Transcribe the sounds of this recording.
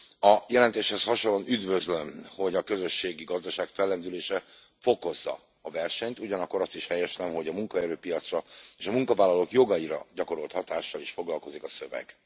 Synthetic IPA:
ɒjɛlɛnt̪eːʃhɛshɒʃolːo̞nʔyd̪vø̞zlømho̞ɟɒkø̞zø̞ʃːeːɡiɡɒzd̪ɒʃaːkfɛlːɛnd̪yleːʃɛ | fo̞ko̞zːɒ̰ː | vɛrʃɛɲt̪uɟɒnɒkːo̞ɾɒst̪iʃhɛjɛʃnɛmɦo̞ɟɒmuŋkɒɛɾøːpijɒt̪srɒeːʃɒmuŋkɒvaːlɒlokjo̞ɡɒiɾɒ̰ɟɒko̞ɾo̞lt̪hɒt̪aːʃːɒliʃfo̞ɡlɒlko̞zikɒsø̞vɛ̰ɡ̥

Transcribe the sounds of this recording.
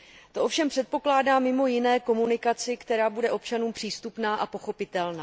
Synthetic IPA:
t̪o̞ʔo̞fʃɛmpr̥ɛt̪̚po̞klaːdaːmɪmo̞jɪnɛːko̞munɪkat͡sɪkt̪ɛɾaːbudɛʔo̞pt͡ʃanuːmpr̥iːst̪upnaːʔapo̞xo̞pɪt̪ɛlnaː

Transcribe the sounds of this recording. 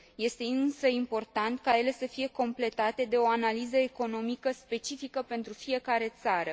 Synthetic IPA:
je̞st̪e̞ɨnsəimpo̞rt̪ant̪kaje̞le̞səfije̞ko̞mple̞t̪at̪e̞d̪e̞o̞analizəe̞ko̞no̞mikəspe̞t͡ʃifikəpe̞nt̪ɾufije̞kaɾe̞t̪saɾə

